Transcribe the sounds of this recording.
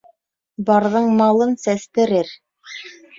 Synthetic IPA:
bɑɾðɤɴmɑlˠɤnsæst̪ɘ̆ɾɘɾ

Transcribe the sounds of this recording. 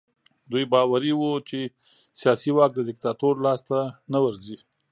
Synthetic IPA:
d̪ujbɑwaɾiwut͡ʃe | sijɑsiwɑk̚d̪əd̪ɪk̚t̪ɑt̪oɾlɑst̪anawəɾzi

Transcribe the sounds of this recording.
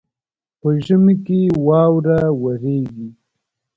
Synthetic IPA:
pəʒəmikewɑːwɾawaɾeːɡi

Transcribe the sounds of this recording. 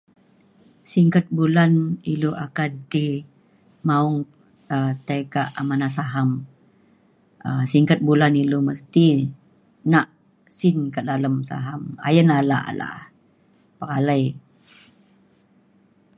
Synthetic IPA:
siŋkət̪̚bulaniluʔakant̪i | mauŋ | ət̪əkaʔamanas̬aɦam | əsiŋkət̪̚bulaniluməst̪i | naʔ | sɪnkədaləmsa̰ɦama̰jənalaʔa̰la̰ʔ | pəɾaləj

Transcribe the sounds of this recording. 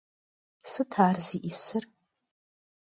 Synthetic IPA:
sɨtʰaːrziʔisɨr

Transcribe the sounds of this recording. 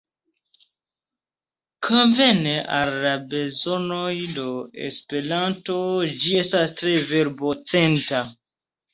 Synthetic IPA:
kʰonve̞neʔa̰lːabe̞zo̞no̞jdo̞ḛspe̞ɾanto̞d͡ʒie̞stastɾe̞veɾbot͡se̞nta

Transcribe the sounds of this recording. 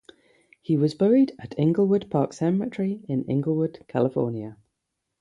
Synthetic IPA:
hiwɒzbɛɹɪdəʔʰɪ̃ŋɡəlˠwʊdpʰɑˑksɛmət͡ʃɹ̥iɪ̃nɪ̰̃ŋɡəl̩ˠwʊd̥kʰalɪfɔ̰ːnjə

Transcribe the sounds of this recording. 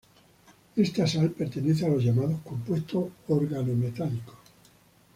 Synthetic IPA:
est̪asalpeɾt̪eneθealo̞zʝamaðohkompwe̞st̪ooɾɣanomet̪aliko̥

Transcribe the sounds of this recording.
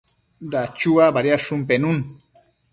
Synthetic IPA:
ɾat͡ʃuabaɾjaʃʊmpenun

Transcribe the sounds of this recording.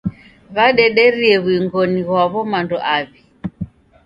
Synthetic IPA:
βaɗɛɗɛɾiɛβwiŋɡɔniɣwaβɔmandɔʔaβi

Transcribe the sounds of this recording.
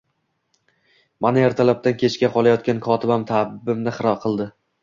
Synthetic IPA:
maneɾt̪ʰalap̚t̪ankʲʰe̞t͡ʃkʲaqʰɒlˠajɒt̪̚kʲankʰɒt̪ʰɪbamt̪ʰabɪbɪmnɪχɨɾɒqʰɨlˠd̪ɪ

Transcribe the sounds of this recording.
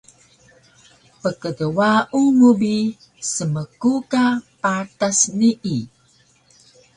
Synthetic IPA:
pəkədəwaʔunubi | səməkukapatasniʔi

